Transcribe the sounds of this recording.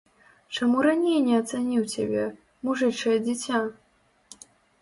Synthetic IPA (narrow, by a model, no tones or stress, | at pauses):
t͡ʂamuɾanʲejnʲɛɐt̪sanʲiwt͡sʲa̰bʲɛ | muʐɨt͡ʂɐjɛd͡zʲit͡sʲa